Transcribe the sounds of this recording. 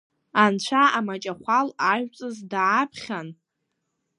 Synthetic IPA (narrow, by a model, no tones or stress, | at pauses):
ant͡ɕʷʰaamat͡ʃʼaχʷʰalaʒᶣt͡sʼɨzdːpʰχʲan